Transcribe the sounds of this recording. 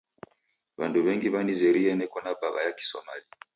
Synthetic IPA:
βanduβɛŋɡiβanizɛɾiɛnɛkɔnabaɣa̰jaki̥sɔ̰mali

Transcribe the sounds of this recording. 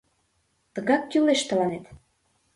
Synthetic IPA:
t̪ə̆ɣɑk̚ːyleʃt̪əlɑnet̪

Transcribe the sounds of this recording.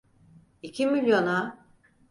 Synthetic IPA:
icʰimilʲjo̞na

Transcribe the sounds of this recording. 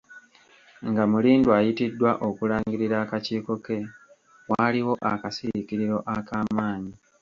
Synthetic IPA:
ŋɡamuliːndwajitidːwaʔo̞kulaːŋɡiɾiɾaːkaciːko̞ke̞ | waːliwo̞ʔa̰kasiikiɾiɾo̞ʔakaːmaːɲi

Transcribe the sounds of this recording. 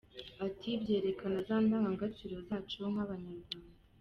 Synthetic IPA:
atʰibɟe̞ːɾe̞kanazaːndaːŋɡaŋɡat͡ʃiɾo̞zat͡ʃeomaβaɲaɾɡwaːndaa

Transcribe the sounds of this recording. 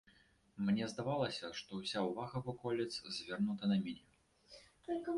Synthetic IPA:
mnʲɛzd̪avalˠɐsʲɐʂt̪ɔwsʲawvaɣɐvɔkɔlʲit̪szʲvʲɛrnut̪ɐnɐmʲinʲɛ | t̪ɔlʲkʲi

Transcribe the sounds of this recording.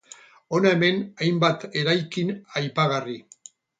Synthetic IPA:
o̞nae̞me̞najmbat̪e̞ɾajkinajpaɣ̞ari

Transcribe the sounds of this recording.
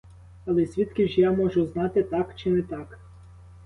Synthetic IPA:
ɐlˠɛsʲʋʲit̪kʲiʒjamɔʒʊznɑt̪ɪt̪ɑkt͡ʃɪnɛt̪ɑk

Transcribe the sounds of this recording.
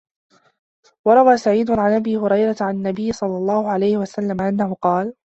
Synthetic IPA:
wɑɾˤɑwaːsaʕiːd̪ʊʕanʔabiːhʊɾɑjɾˤɑt̪ʕanɪnːabɪjːɪsˤɑlːɑlˤːɑːhʊʕalajhɪwasalːamaʔanːahʊqɑːl

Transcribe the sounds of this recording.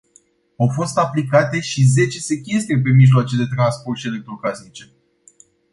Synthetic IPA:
awfo̞st̪aplikat̪e̞ʃize̞t͡ʃe̞sekʲest̪ɾiep̬e̞miʒloat͡ʃed̪e̞t̪ɾanspo̞rt̪ʃient̪orkasnit͡ʃe̞

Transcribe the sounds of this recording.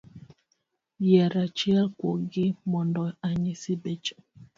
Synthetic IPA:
jɛɾat͡ʃialkwo̰ɡimɔndɔaɲisibɛt͡ʃa

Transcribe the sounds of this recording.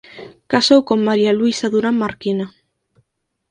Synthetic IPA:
kasowkoŋmːaɾjaluisaðuɾamaɾkina

